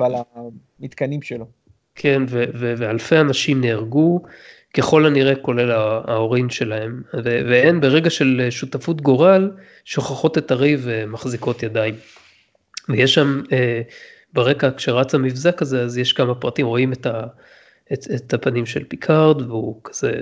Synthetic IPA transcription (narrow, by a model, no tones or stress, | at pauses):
avala | mit̪kanimʃelo | kʰe̞nvevevehalfe̞anaʃimneːʁɡu | ke̞χo̞laniʁe̞ko̞le̞laːo̞ʁinʃe̞lahe̞mveveenbeʁe̞ɡaʃe̞leʃutafutɡo̞ʁal | ʃo̞χaχo̞te̞taʁivemaχziko̞tjadaim | vejeʃːame | beʁe̞kakʃeʁat͡samifzakaze̞azjeʃkamapʁatimʁo̞imeta | eetapanimʃe̞lpikʰaʁdveukʰḁz̥ḛ